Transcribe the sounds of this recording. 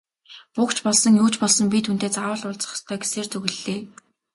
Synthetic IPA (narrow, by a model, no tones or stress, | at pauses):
pukt͡ɕpɔɮsɞ̆ŋjuːt͡ɕpɔɮsɞ̆mpʲit̪ʰun̥t̪eːt͡saːwə̆ɮʊɮt͡sə̥̆χst̪ʰœːɡe̥seːrt͡sɵɣɘ̆ɮːeː